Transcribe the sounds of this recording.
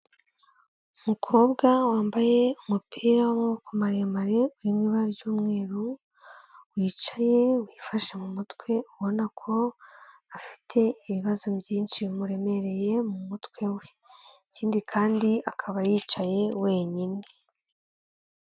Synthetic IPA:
umukʰo̞ːbɡawaːmbaje̞umupʰiːɾawamukomaɾemaɾe̞uɾimŋiːβaɾɟuːmŋe̞ːɾu | wiːt͡ʃḁje̞wiːfaʃemumutkwe̞uβo̞nakʰo̞afi̥tʰe̞iβiβazubjiːnʃiimuɾe̞me̞ɾe̞je̞mumutkwe̞we̞ | ciːndikʰaːndiakʰaβajiːt͡ʃaje̞we̞ːɲine

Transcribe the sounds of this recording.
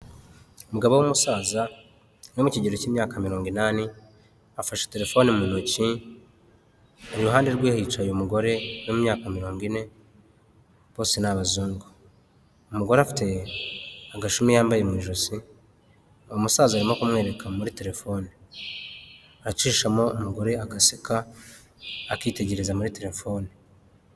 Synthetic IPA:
umuɡaβowumusaːza | no̞muciɟeɾociːmɲaːkamiɾo̞ːŋɡinani | afaʃe̥te̞ɾe̞fo̞nimunoci | aɾiɾuɦaːnde̞ɾɡwihit͡ʃajomuɡo̞ɾe̞nomumɲaːkamiɾo̞ːŋɡine̞ | βo̞ːse̞naβazuːŋɡo | umuɡo̞ɾeafi̥te̞ | aɡaʃumijaːmbaje̞mwiːʒosi | omusaːzuaɾimokumŋe̞ːɾe̞kʰamuɾite̞ɾe̞fo̞ːni | aɾat͡ʃiːʃamo̞umuɡo̞ɾe̞aɡasikʰaː | kiːte̞ɟe̞ɾezamuɾite̞ɾe̞fo̞ːni

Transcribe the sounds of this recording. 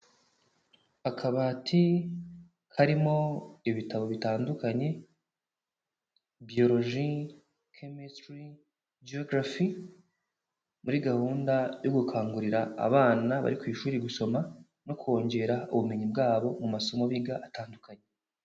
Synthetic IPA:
hakʰaβatʰi | kʰaɾimo̞iβitaβo̞βitaːndukaɲe̞ | bio̞ɾo̞ʒi | kʰemistɾi | d͡ʒioɡɾafi | muɾiɡahuːndajo̞ɡukʰaːŋɡuɾiɾaa̰βaːnaβa̰ɾikwiːʃuːɾiɡuso̞ma | no̞kwo̞ːɲɟe̞ɾauβumeɲibɡaːβo̞mumaso̞mo̞βiɡaʔataːndukaɲe̞

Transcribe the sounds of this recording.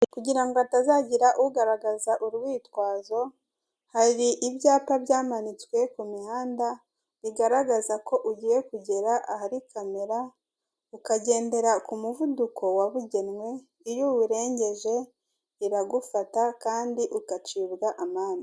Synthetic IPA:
kuɟiɾaŋɡoatazaːɟiɾaʔuuɡaɾaɡazaʔuɾɡwiːtwaːzo̞ | haɾiʔiβjaːpaβjaːmanit͡swe̞kumihaːnda | βiɡaɾaɡazako̞ʔuɟiːje̞kuɟe̞ɾaʔahaɾikame̞ɾa | ukaɟe̞ːnde̞ɾakumuvudukʰo̞waβuɟe̞nwe̞ | ijowuɾe̞ːɲɟe̞ʒe̞ | iɾaɡufatakaːndiʔukat͡ʃiːβɡaʔamaːni

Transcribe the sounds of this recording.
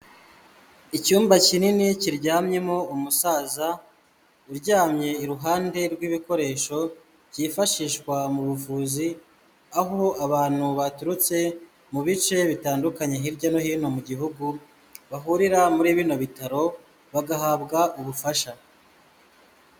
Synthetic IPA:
icuːmbacininiciɾɟaːmɲe̞mo̞umusaːza | uɾɟaːmɲe̞iɾuɦaːnde̞ɾɡwiːβiko̞ɾe̞ːʃo̞ | ciːfaʃiːʃkwamuβufuːzi | aɦo̞aβaːn̥huβatuɾut͡se̞ | muβit͡ʃe̞βitaːndukaɲe̞ɦiɾɟo̞no̞hiːno̞muɟiɦuɡu | βaɦuɾiɾamuɾiːβiːno̞βitaɾo̞ | βaɡaɦabɡaʔuβufaʃa

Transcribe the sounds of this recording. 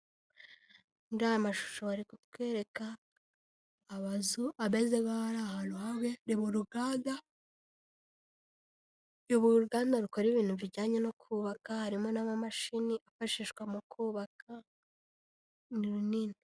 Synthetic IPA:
ndajamaʃu̥ʃoaɾikutweːɾe̞ka | βazuʔaβezeβaaɾahaluhaβeɾiβuɾuɡaːda | joβuɾuɡaːndaɾuko̞ɾiβiːnhuviɟaːɲeno̞kʰuːβakahaɾimo̞naβamaʃiniʔafaʃiʃkɡwamukʰuːβakʰa | niɾunini

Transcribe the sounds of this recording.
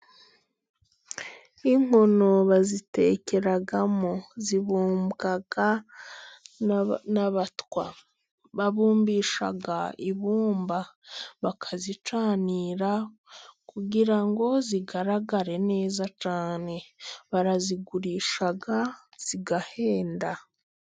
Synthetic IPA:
iŋ̥o̞no̞βazite̞ːce̞ɾaɡamoziβuːmbɡaɡa | naβatwa̰ | βaβuːmbiːʃa̰ɡaiβuːmbaβakʰazit͡ʃaːniːɾa | kuɟiɾaŋɡo̞ziɡaɾaɡaɾe̞ne̞ːzat͡ʃaːne̞βaɾaziɡuɾiːʃaɡa | z̥iɡahe̞ːnda

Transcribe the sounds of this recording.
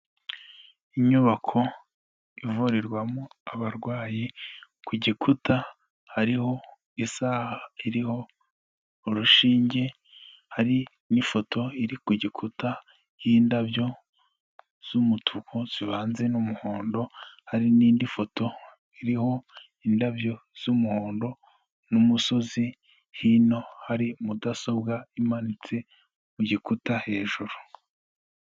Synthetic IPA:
iɲuβakʰo̞ | ivuɾiɾɡwamuaβaɾɡwaːji | kʰuɟikʰuta | haɾiho̞ | isaːhaiɾiho̞ː | ɾuʃiːɲɟe̞ | haɾi | nifo̞tʰo̞iɾikuɟikʰuta | jiːndabjo̞ | z̥umutʰukʰoz̥iβaːnzenumuhoːndo̞haɾiniːndifo̞to̞ | iɾiho̞ | indabjo̞z̥umuhoːndo̞ | numuso̞zi | hino̞haɾimudaso̞bɡaimanit͡se̞ | muɟikutahe̞ːʒuɾu

